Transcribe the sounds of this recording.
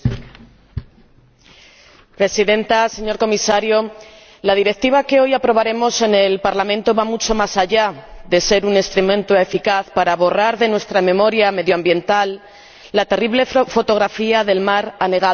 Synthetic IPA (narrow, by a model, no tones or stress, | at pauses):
pɾe̞siðe̞nt̪ase̞ɲo̞ɾko̞misaɾjo̞ | lað̞iɾe̞k̚t̪iβake̞o̞japɾo̞β̞aɾe̞mo̞se̞ne̞lpaɾlamẽ̞nt̪o̞βamut͡ʃo̞masaʝaðe̞se̞ɾunest̪ɾumẽ̞nt̪oe̞fikaθpaɾaβo̞raɾðe̞nwe̞st̪ɾamẽ̞mo̞ɾjame̞ðjoambje̞nt̪alː | at̪e̞riβle̞fo̞t̪o̞ɣɾafiaðe̞lmaɾane̞ɣa